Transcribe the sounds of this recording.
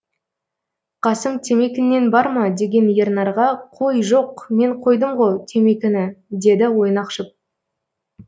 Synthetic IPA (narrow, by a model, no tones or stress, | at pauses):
qʰɑsəɴt̪ʰe̞me̞kʲɪnːe̞nbɑɾmɑd̪e̞ɡʲe̞njeɾnɑɾʁɑqʰo̞jʒo̞qme̞ɴqʰo̞jd̪əmʁot̪ʰe̞mekʲɪnɪd̪e̞d̪ɪwo̞jnɑqʃəp̚